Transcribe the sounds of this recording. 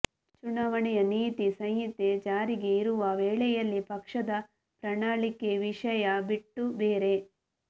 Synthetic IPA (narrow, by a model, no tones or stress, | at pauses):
t͡ʃuɳaːʋɐɳɛjɐniːt̪isɐjɦit̪ed͡ʒaːɾiɡe̞iɾuʋɐʋeːɭɛjɐlːipɐkʂɐd̪ɐ | pɾɐɳaːɭikeʋiʂɐjɐbiʈːubeːɾe̞